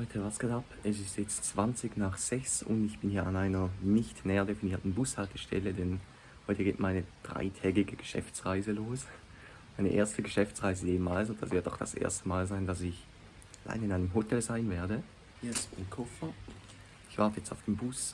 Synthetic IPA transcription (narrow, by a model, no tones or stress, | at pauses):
hɔʏtʰəvaɐsɡ̥atapɛs̬ɪstjɛt͡st͡sv̥ant͡sɪɡnaːχz̥ɛçsʊ̰ndɪçb̥ɪnhiːɐanaɪnɐnɪçtnɛːɐdefiniːɐtn̩bʊshaltəʃtʰɛ̰lədɛn | hɔʏtəɡeːtmaɪnəd̥ʁa̰ɪtʰɛːɡɪɡəɡ̥ə̥ʃɛ̰ft͡sʁaɪzəloːs | maɪnə̰ʔḛːɐstəɡəʃɛft͡sʁaɪzədeːmːaːls̬ʊntd̥a̰sv̥ɪtdɔ̰ʊχd̥a̰sʔḛːɐstəmaːlzaɪndasɪç | ala̰ɪnɪnaɪnəmɦotʰɛlzaɪnveːɐdə | hsʊmkʰɔfɐ | ɪçv̥aɐtəjɛt͡staʊfd̥eːmbʊs